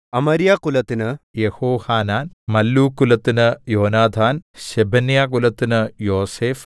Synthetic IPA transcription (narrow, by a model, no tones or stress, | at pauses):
ɐmɐɾjaːkulɐt̪ːinɨjehoːhaːnaːnmɐlːuːkːulɐt̪ːinɨjoːnaːd̪ʱaːnɕebʱɐnjaːkulɐt̪ːinɨjoːseːf